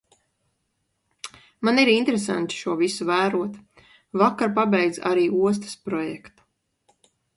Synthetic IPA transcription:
maniɾint̪ɾes̬a̰nt̪i̥ʃuɔvisuvæːɾuɔt̪ | vakːaɾpabɛjd̪za̰ɾiːuɔs̬t̪ɐ̥spɾɔjɛkt̪u̥

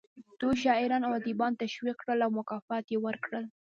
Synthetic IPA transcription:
t̪oʃɑɪɾɑnawad̪ibɑnt̪aʃwiqkɽəlawmʊkɑfat̪jewəɾkɽəl

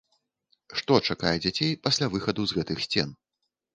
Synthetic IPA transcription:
ʂt̪ɔt͡ʂakajɛd͡zʲat͡sʲejpasʲlʲavɨxɐd̪uzɣɛt̪ɨxsʲt͡sʲɛn

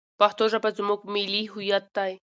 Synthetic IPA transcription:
paht̪oʒabazmuɡ̚miliɦʊjat̪̚d̪aj

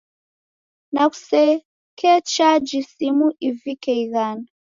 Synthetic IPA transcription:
naku̥sɛ | kɛt͡ʃad͡ʒisimuʔivikɛiɣan

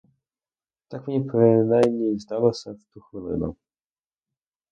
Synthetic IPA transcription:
t̪akmɲɛpɾɪnajmɲejzd̪alɔsɛft̪uxilɛ̰nɔ̰

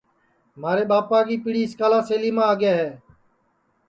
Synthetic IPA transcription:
maːɾeːɓaːpaːɡiːpɪɽiːɪskaːlaːseːliːmãːəɠeːɦɛː

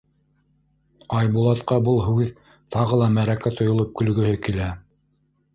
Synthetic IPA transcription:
ɑjbulˠɑt̪qɑbɤlˠɦʉð | t̪ɑʁɤlˠɑmæɾækæt̪ŏjŏlˠop̚kɵ̆lɡɵ̆hɘkilæ

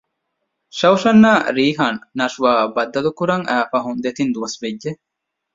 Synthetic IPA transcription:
ʃɐwʃɐnːaːɾiːɦɐnnɐʃuʋaːbɐd̪ːɐlukuɾɐŋʔæːfɐɦund̪et̪ind̪uʋɐsbedʒe

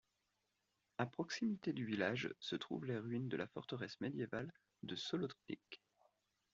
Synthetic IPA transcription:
apχɔksimit̪ed̪yvilaʒsət̪χṵvleʁɥind̪əlafɔ̰ʁt̪əʁɛsmed̪jeval | d̪əsɔlɔt̪χpḭk

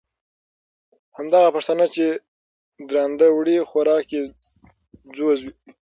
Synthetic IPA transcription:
hamd̪aɣapaʂt̪anat͡ʃe | d̪ɾɑnd̪awɽixaɾɑke | d͡zozwi

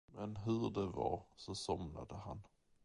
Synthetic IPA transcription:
mɛnɦɵɖɛva̰sɔsɔmnad̪əhan

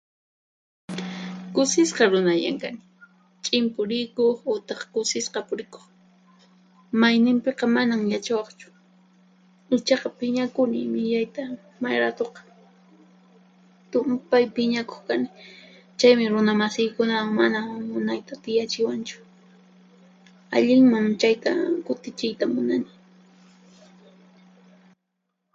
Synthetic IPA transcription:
kʊsɪsqɑɾʊnaʎa̰ŋkanɪ | t͡ʃʼɪmpʊɾɪkoχʊt̪ɑχkʊsɪsqɑpʊɾɪko̥χ | majnɪmpeqɑmanamjat͡ʃawɑχt͡ʃʊ̥ | ɪt͡ʃɑqɑpɪɲakʊnɪ̰mɪʎajt̪a | majɾat̪oqɑ̥ | t̪ʊmpajpɪɲako̥χkanɪ | t͡ʃajmɪɾʊnamasɪjkʊnawŋmanamʊnajt̪at̪ɪjat͡ʃɪwant͡ʃʊ̥ | a̰ʎɪŋmaŋt͡ʃajt̪a̰kʊt̪ɪt͡ʃɪjt̪amʊnanɪ

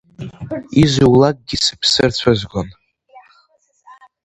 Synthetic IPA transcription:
izuwlak̚ʼɡʲisɨ̥pʰsɨrt͡sʷʰazɡʷon

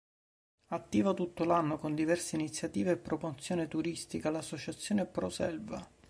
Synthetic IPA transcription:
at̪ːiːvat̪ut̪ːolanːokond̪ivɛrseinit̪sːjat̪iːveːpːɾopot̪sːjoːnet̪uɾist̪ikalasːot͡ʃat̪sːjoːnepɾosɛlva

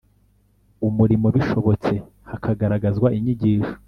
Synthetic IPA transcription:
umuɾimo̞βiʃo̞βo̞t͡se̞ | hakʰaɡaɾaɡazɡwaʔiɲiɟiːʃo̥

